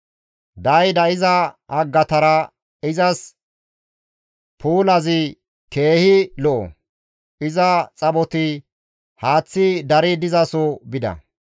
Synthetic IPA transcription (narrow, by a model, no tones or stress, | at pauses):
d̪ɐjd̪ɐɪzɐɐɡːɐt̪ɐɾɐ | ɪzɐs | pʰuːlɐzɪ | ke̞ːhɪlɔʔɔ̰ | ɪzɐt͡sʼɐbɔt̪ɪ | haːt͡sːɪd̪ɐɾɪd̪ɪzɐsɔbɪd̪ɐ̰